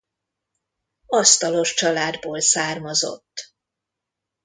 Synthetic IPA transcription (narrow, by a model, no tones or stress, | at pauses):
ɒst̪ɒlo̞ʃt͡ʃɒlaːd̪boːlsaːrmɒzo̞̰t̪ː